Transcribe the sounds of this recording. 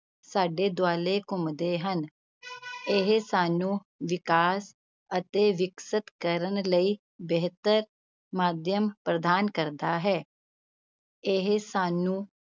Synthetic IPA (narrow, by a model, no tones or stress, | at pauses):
saːɖeːd̪ʊaːleːkʊmd̪eːɦən | ɪɦsaːnũː | ʋɪkaːs | ət̪eːʋɪksət̪kəɾənləiː | bɛɦt̪əɾ | maːd̪jəmpɾəd̪aːnkəɾd̪aːɦɛː | ɪɦsaːnũː